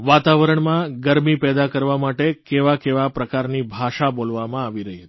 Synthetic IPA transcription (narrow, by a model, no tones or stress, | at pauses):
ʋat̪aʋəɾəɳmãɡəɾmipɛd̪akəɾʋamaʈekeʋakeʋapɾəkaɾnibʱaʃabolʋamãːʋiɾəɦiɦət̪i̥